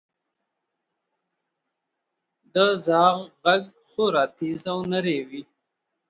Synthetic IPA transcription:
d̪əzɑːɣɣaɡ | xoɾɑːt̪ʰizawnaɾewi

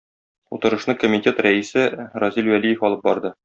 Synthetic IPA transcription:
ut̪ɤ̆ɾɤ̆ʃnɤkomʲitʲe̞t̪ɾæisɘɾɒzilwælijɘfɒlˠɤp̚bɒɾd̪ɤ

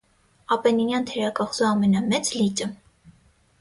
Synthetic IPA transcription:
ɑpɛninjɑnt̪ʰɛɾɑkɑχzuɑmɛnɑmɛt͡slit͡ʃʼə

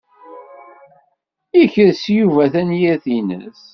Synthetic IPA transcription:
içəɾsjuvæθænjæθinə̰s

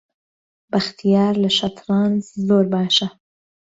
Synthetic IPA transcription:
bɐxt̪ʰijaːɾlɐʃɐt̪ʰɾɑːnzzoːɾbaːʃɐ

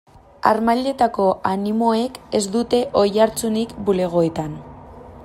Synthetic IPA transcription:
a̰ɾmaʎe̞t̪ako̞animo̞e̞ke̞zd̪ut̪e̞ʔo̞jaɾt͡sunikbule̞ɣ̞o̞et̪an

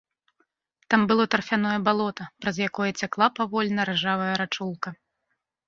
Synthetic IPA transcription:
t̪ambɨlˠɔt̪ɾfʲanɔjɐbalˠɔt̪ɐpɾɐzjakɔjɐt͡sʲaklˠapavɔlʲnɐɾɛʐavɐjɐɾat͡ʂulˠkɐ

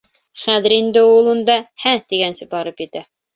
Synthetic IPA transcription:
χæðɘ̆ɾind̪ɘulˠund̪ɑhæt̪iɡænsɘbɑɾɤpjɘ̆t̪æ

